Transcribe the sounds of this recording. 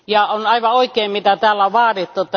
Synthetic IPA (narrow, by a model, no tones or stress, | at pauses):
jɑonɑiʋɑoikˑeːmmit̪æt̪æːlːæʋɑːrit̪ːut̪ːɑ